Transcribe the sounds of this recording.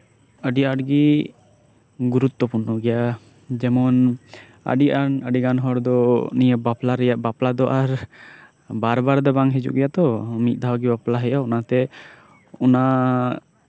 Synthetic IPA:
əɖiaʈɡi | ɡuɾut̪ːɔpunːɔɡɛja | d͡ʒɛmɔn | ə̰ɖiʔanəɖiɡanɦɔɾd̪ɔnijəbaplaɾɛjaʔbaplad̪ɔʔaɾ | baɾbaɾd̪ɛbaŋɦɛd͡ʒṵʔɡɛjat̪ɔmit̪̚ˀd̪ʱaɦwɡibaplaɦɛjaɔnat̪ɛ | ɔna

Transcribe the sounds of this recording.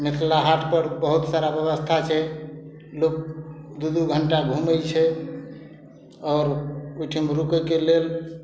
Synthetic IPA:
nik̪ʰlaɦaʈʰpəɾbəɦut̪saɾabjəbəst̪ʰat͡ʃʰɛ | lok̚d̪ud̪uɡʱəɳʈaɡʱuməjt͡ʃʰɛ | ɔːɾojʈʰimɾukəkelel

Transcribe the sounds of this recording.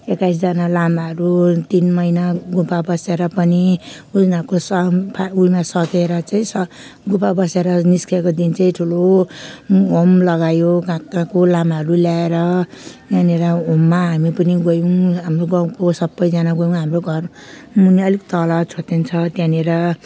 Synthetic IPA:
ekajs̬d͡zanalamaɦʌɾut̪inmʌjnaɡupabʌseɾʌpʌni | ud͡znakosʌpʰaujmasʌkeɾʌt͡saĩsʌ | ɡupabʌseɾʌniskʰekod̪int͡sʌĩʈʰulo | omlʌɡajoɡãkãkolamaɦʌɾuljaeɾʌ | t̪aneɾʌomːaɦamipʌniɡojũɦamroɡʌkosʌbːʌjd͡zanaɡojũɦamroɡʱʌrmuniʌlikt̪ʌlat͡sʰot̪ent͡sʰʌt̪jãneɾʌ

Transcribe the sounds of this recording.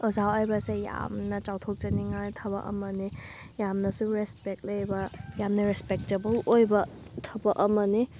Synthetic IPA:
ɔzawajbɐseja̰mnɐt͡ʃawtʰok̚t͡ʃɐniŋajtʰɐbɐ̰ʔɐ̰mɐnijamnɐsuɾespek̚lɐjbɐjamnɐɾespek̚tebɐlojbɐtʰɐbɐʔɐmɐni

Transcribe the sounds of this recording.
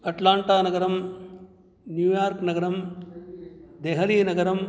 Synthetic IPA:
ɐʈlaːɳʈaːnɐɡɐɾɐm | njuːjaːɾknɐɡɐɾɐm | d̪eːɦɐliːnɐɡɐɾɐm

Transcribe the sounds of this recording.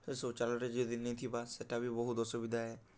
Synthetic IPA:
esot͡ʃalɔɾed͡ʒed̪inːet̪ʰibaseʈabʱibɔɦut̪ɔsubid̪ʱaɦɛ

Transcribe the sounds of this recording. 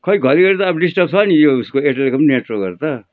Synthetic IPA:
kʌiɡʱʌɾiɡʌɾt̪ʌːbɖisʈʌpsʰʌnijouskoeʈelekʌmneʈroɡʌ̰ɾt̪ʌ

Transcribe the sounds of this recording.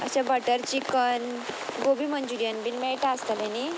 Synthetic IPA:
ə̰ɕabəʈəɾt͡ɕikən | ɡobimənd͡ʑuɾijənbinmeʈast̪alẽni

